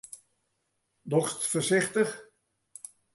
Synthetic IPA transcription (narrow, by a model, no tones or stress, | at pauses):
dɔχstfəɹsɪχtəχ